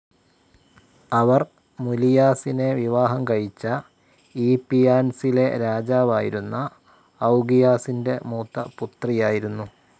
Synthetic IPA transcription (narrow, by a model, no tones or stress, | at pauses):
ɐʋɐr | mulijaːsine̞ʋiʋaːɦɐmkɐɻit͡ɕːɐ | iːpijaːnsile̞ɾaːd͡ʑaːʋaːjiɾunːɐː | wɡijaːsinde̞muːt̪ːɐput̪rijaːjiɾunːu